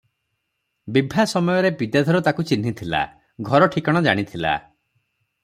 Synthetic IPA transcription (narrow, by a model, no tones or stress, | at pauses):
bibʱasɔmɔjɔɾepid̪ad̪ʱɔɾut̪akut͡ʃin̤ːit̪ʰila̰ | ɡʱɔɾɔʈʰikɔɽ̃ɔd͡ʒa̰ɽ̃it̪ʰila̰